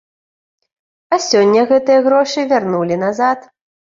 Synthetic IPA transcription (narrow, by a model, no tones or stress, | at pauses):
ɐsʲɔnʲːɐɣɛt̪ɨjɐɣɾɔʂɨvʲarnulʲinazat̪